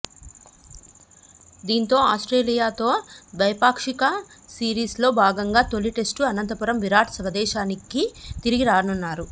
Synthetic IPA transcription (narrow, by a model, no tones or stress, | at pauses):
d̪iːnt̪o̞ːaːsʈɾeːlijaːt̪o̞ːʋɐjpaːkʂikɐsiːɾiːslo̞ːbʱaːɡɐŋɡaːt̪olːiʈe̞sʈuɐnɐnt̪ɐpuɾɐmʋiɾaːʈɐsʋɐd̪ɛːʃaːnikit̪iɾiɡiɾaːɾɐnunːaːɾu